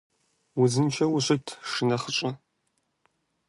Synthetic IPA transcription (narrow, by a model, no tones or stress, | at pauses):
wʊzɨnt͡ʃʰɐwʊɕɪtʰʂɨnɐχət͡ʃʷʼɐ